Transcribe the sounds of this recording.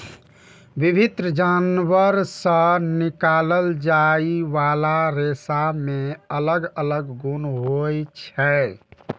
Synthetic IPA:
ʋibʱit̪ɾəd͡ʒanʋəɾsə̃nikaləld͡ʒaiʋalaɾesamẽələɡələɡɡunɦojt͡ʃʰɛ

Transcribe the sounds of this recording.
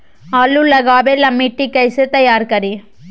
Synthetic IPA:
ɐlːulɐɣaːbelɐmːiʈːikɐɪsɯt̪ɐjaːɾkɐɾi

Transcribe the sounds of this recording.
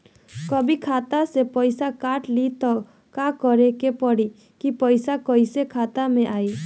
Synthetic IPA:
kɔbikʰat̪asepɔjsakaʈlit̪ɔ | kakɔɾekepɔɽi | kipɔjsakɔjsekʰat̪amẽʔaj

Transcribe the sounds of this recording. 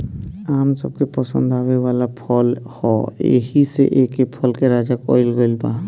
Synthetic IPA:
aːmsə̰b̚kepəsə̰̃nd̪aːweʋaːlapʰəlhɔḛɦisḛʔekepʰəlkeɾaːd͡ʒakɔ̰ːɪlɡəlbaː

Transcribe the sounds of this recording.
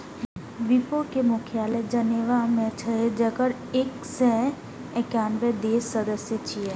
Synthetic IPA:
ʋipokemʊkʰjaːled͡ʒɐneʋamẽt͡ʃʰəɦed͡ʒəkəɾ | ek | sɛ | ɛkaːnbed̪eːsːəd̪əsjət͡ʃʰie

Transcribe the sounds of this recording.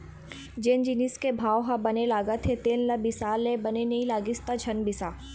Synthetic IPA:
d͡ʒeːnd͡ʒiniskebʱaːwɦabɐnelaːɡət̪ʰet̪eːllabɪsaːlːebɐnenɐĩlaːɡɪst̪ad͡ʒʰʱɐnbɪsaː

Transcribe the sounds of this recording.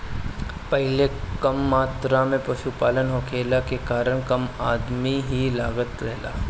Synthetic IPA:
pɛɦlekɐmːaːt̪ɾamẽpɐʃupaːlənɦokʰeːlakekaːɾəɽ̃kɐmaːd̪miɦilaːɡət̪ɾɛɦla̰ː

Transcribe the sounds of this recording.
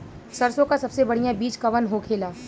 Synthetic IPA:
sɐɾsõkasɐbsebɐɽ̤ijãbiːt͡ʃkɐʋənɦokʰeːlaː

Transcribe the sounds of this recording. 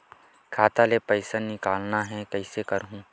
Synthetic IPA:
kʰaːt̪alepɐɪsanɪkaːlnaɦɛ̃kɐɪsekɐɾɦũ

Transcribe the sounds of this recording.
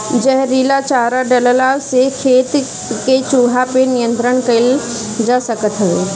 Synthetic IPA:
d͡ʒɐɦɾiːlat͡ʃaːɾaɖɐləlaːlsekʰeːt̪ | ket͡ʃuːɦapenijə̃nt̪ɾəɽ̃kɐɪl | d͡ʒaːsɐkət̪ɦəʋeː

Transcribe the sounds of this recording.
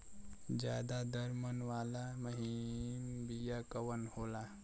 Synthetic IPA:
d͡ʒjaːd̪ad̪əɾmənʋaːlaməɦimbijakəwənhola

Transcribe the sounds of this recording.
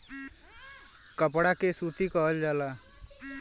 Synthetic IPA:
kəpɽakesut̪ikʌɦəld͡ʒala

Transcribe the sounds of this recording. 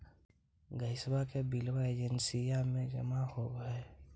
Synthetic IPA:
ɡəɪsbakebilwaeːd͡ʒənsijamẽd͡ʒə̰mahoːbɦɛ

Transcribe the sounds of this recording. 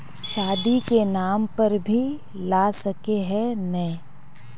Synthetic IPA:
ʃaːd̪ikenaːmpɐɾbʱi | laːsɐkeɦɛnɐɦĩ

